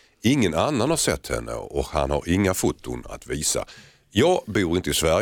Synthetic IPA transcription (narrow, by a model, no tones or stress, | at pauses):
ɪŋːənanːanhaɾʂɛt̪ʰːhɛnːə̰ɔkha̰nhaɾɪŋːafut̪ːʊna̰t̪viːsa̰ | jɑːɡbuːɾɪnt̪əɪsvæɾ